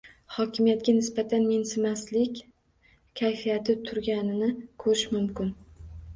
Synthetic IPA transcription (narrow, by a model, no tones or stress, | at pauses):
hɒkʲʰɪmijat̪̚ɡʲanɪsbat̪ʰanmensɪmaslɪkʲ | kʲʰajfijat̪ʰɪt̪ʰʊɾɡʲanɪnɪkʰɵɾɪʃmʊmkʲɪn